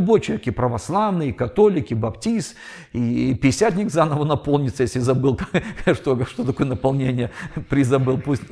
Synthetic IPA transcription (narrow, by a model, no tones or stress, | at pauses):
bot͡ɕɪekʲɪpɾəvɐslˠavnɨɪkɐt̪o̞lʲɪkɪbɐptʲist̪ | ipʲɪɪsʲat̪ʲnʲɪkzanəvənɐpo̞lˠnʲɪt̪səjesʲlʲɪzɐbɨlˠkʂt̪oʂt̪ot̪ɐkojənəpɐlˠnʲenʲɪjəpɾʲɪzɐbɨlˠpusʲtʲ